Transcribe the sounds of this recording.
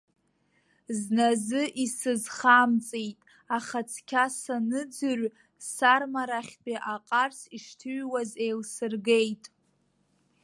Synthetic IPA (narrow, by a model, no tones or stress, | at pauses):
znazɨʔisɨzχamt͡sʼejtʼ | aχat͡sʰkʲʰasanɨd͡zɨr | sarmaɾaχʲbiʔaqʼarsiʂtʰɨɥwazejlsɨrɡejtʼ